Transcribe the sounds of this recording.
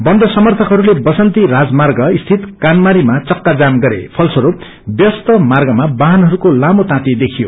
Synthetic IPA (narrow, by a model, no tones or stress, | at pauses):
bʌnd̪ʱʌsʌmʌrt̪ʰʌkɦʌɾulebʌsʌnt̪iɾad͡zmarɡʌist̪ʰit̪kanmaɾimat͡sʌkːad͡zamɡʌɾḛpʰʌlsʌɾup | bjʌst̪ʌmarɡʌmabaɦanɦʌɾukolamot̪ãt̪id̪ekʰijo̰